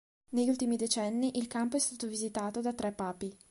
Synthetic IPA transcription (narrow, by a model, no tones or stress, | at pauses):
neʎult̪imid̪et͡ʃɛnːiʔilkampoɛst̪aːt̪ovizit̪aːt̪od̪at̪ɾɛpːaːpi